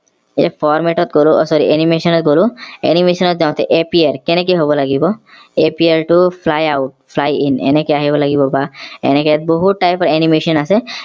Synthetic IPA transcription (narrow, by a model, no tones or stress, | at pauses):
ḛfɔɾmeʈɔt̪̚ɡoluɔsɔɾḭenimeʃɔnɔt̪̚ɡoluḛnimeʃɔnɔt̪̚d͡ʒawt̪ʰeʔepieɾkenek̬eɦobɔlaɡibɔ | epieɾʈupʰlajawʈ̚fʰlajinḛnekeaɦibɔlaɡibɔbaḛneket̪̚boɦuʈːajpɔɾenimeʃɔnase